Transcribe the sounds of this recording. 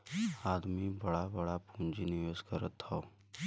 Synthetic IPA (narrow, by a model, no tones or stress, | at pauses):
aːd̪mibəɽabəɽapũnd͡ʒinijoːskəɾət̪ːao